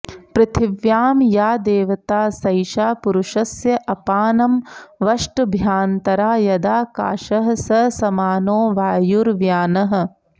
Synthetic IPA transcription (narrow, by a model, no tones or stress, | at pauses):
pɾɐt̪ʰiʋjaːmjaːd̪eːʋɐt̪aːsɐjʃaːpuɾuʃɐsjɐʔɐpaːnɐmʋɐʂʈbʱjaːnt̪ɐɾaːjɐd̪aːka̰ːʃɐɦɐ̆sɐsɐmaːnoːʋaːjuɾʋjaːnɐɦɐ̆